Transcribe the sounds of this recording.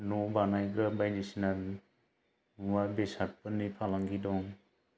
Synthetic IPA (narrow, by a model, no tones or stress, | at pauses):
nɔbanajɡɾabajnisinan | wabesat̚pɯnːipʰalaŋɡidɔŋ